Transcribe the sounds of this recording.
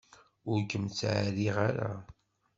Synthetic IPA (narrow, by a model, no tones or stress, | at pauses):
ʊɾkəmt͡sːʕaɾiʁaɾa̰